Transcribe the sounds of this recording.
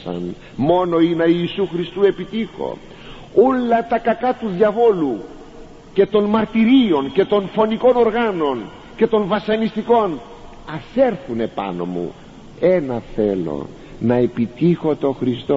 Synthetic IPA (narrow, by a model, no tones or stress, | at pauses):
sɐ̰n | mo̞no̞inɐiːsuxɾist̪ue̞pit̪ixo̞̰ | olːɐt̪ɐkɐkɐt̪uðʝɐvo̞lu | cet̪o̞nmɐɾt̪iɾio̞nce̞t̪o̞nfo̞niko̞no̞ɾɣɐno̞n | ce̞t̪o̞nvɐsɐnist̪iko̞n | ɐse̞ɾθune̞pɐ̰no̞̰mṵ | e̞nɐθe̞lo̞̰ | nɐe̞pit̪ixo̞t̪o̞xɾist̪o